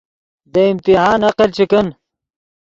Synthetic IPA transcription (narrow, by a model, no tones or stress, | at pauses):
d̪ɐimt̪iɦaːnɐqelt͡ɕʰikən